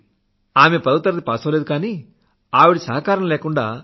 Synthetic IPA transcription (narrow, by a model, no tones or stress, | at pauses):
aːmepɐd̪ɐt̪ɐɾt̪ipaːsɐle̞ːd̪ukaːni | aːʋuɽisɐɦɐkaːɾɐmleːkuɳɖa̰ː